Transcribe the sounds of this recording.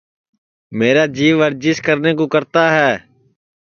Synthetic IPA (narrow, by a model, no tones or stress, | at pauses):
meːɾaːd͡ʒiːʋʋəɾd͡ʒɪskəɾneːkoːkəɾt̪aːɦɛː